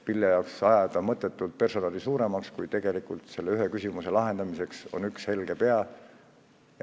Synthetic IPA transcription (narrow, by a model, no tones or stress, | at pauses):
piljɑjɑoksɑjɑd̪̥ɑmɤt̪ːˑe̞t̪ːˑult̪̚pe̞rso̞nɑːlisuːɾe̞mɑkskujt̪e̞ɡ̥e̞likult̪se̞lːeyɦekysʲimuse̞lɑɦe̞nd̪̥ɑmise̞kso̞̰nykshe̞lɡ̥e̞pe̞ɑ | j